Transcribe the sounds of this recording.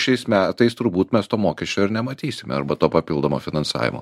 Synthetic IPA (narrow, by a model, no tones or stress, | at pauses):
ʃʲɛɪsmʲæːt̪ɐɪst̪ʊɾbuːt̪mʲɛst̪oːmoːkʲɛʃʲt͡ʃʲoːɪɾnʲɛmɐt̪ʲiːsʲɪmʲɛɐ̰ɾbɐt̪oːpɐpʲilˠd̪oːmoːfʲɪnɐnsɑ̰ːʋʲɪ̰mo̰ː